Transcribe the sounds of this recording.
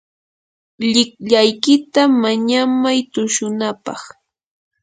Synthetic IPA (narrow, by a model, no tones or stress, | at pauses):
ʎɪkʎajkɪt̪amaɲamajt̪ʊʃʊnapɑ̰χ